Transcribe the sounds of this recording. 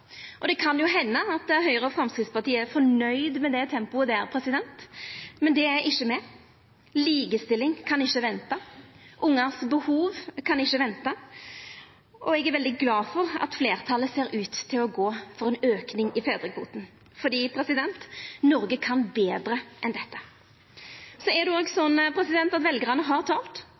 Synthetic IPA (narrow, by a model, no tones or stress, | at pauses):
ʔɔd̪ɛkʰɑnjʊɦɛnːəɑt̪̚d̪ɛæɾɦœʏɾəɔfɾɑmskɾɪt̪spɑt̪iːəæɾfɔɳœʏd̪mɛd̪ɛt̪ʰɛmpʊəd̪ɛæɾpʰɾɛsɪd̪ɛnt̪mɛnd̪ɛæɾʔɪʃːəmɛ | liːɡəst̪ɪlːɪŋkʰɑnɪçːəʋɛnt̪ɑʔʊŋːɑsbəhuːʋkʰɑnɪçːəʋɛnt̪ɑ | ʔɔɛɡæʁɾʋɛld̪ɪɡlɑːfɔɾɑ̰t̪fleːɾt̪ʰɑlːəseːɾʉːt̪t̪ʰːɪlɔɡoːfɔɾɛnøːknɪŋɪfeːd̪ɾɪkfṵːt̪n̩ | fɔd̪iːpʰɾɛsɪd̪ɛnt̪nɔɾɡəkʰɑnbeːd̪ɾəʔɛnd̪ɛt̪ːə | sɔæʁd̪ʉoːɡsɔnːpʰɾɛsɪd̪ɛnt̪ɑt̪ʋɛlɡəɾɑnəɦɑʁt̪ʰɑːlt̪